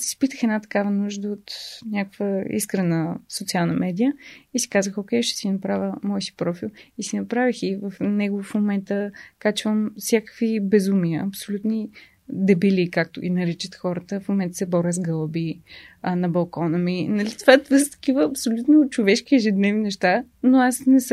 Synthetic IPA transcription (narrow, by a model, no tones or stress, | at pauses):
si̥spit̪əxɛd̪nat̪ɐ̥kavənuʒd̪əot̪nʲakəkvəḭskɾɐnəsot̪sialˠnɐmɛd̪ijəisi̥kazəxokʲɛjʃt̪ɛ̥sinɐpɾavʲəmɔjsi̥pɾɔfilˠisinɐpɾavixivəfnɛɡʊfmomɛnt̪əkat͡ʃvəmfsʲjakə̥kvibɛzumiəɐpsolʲut̪ni | d̪ɛbilikak̚t̪ʊʔḭnɐɾit͡ʃət̪xɔɾət̪əfmomɛnt̪ə̥sɛbɔɾʲəzɡɤlˠbinɐbɐlˠkɔnəminɐlit̪ovat̪vəst̪ɐ̥k̟ivəːpsolʲut̪not͡ʃovɛʃk̟iɛʒɛd̪nɛvninɛʃt̪a | noasnɛs